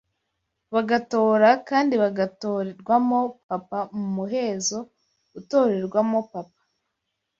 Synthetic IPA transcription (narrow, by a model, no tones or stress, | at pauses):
βaɡato̞ːɾakaːndiβaɡatoːɾeɾɡwamo̞papamumuɦe̞ːzo̞ | uto̞ːɾe̞ɾɡwamo̞pap̚ḁ